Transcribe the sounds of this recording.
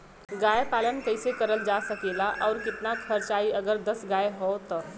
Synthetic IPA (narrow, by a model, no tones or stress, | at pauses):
ɡaːjepaːlənkəɪsekəɾəld͡ʒasəkeːlaʔɔːɾkɪt̪nakʰəɾt͡ʃaːiɐɡəɾd̪əsɡaːeɦot̪ɔ